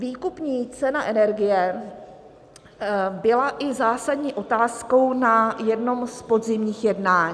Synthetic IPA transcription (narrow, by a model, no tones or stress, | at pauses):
viːkupɲiːt͡sɛnaʔɛnɛɾɡɪjɛ | bɪlaʔɪzaːsadɲiːʔo̞t̪aːsko̞wnajɛdno̞mspo̞dzɪmɲiːxjɛdnaːɲ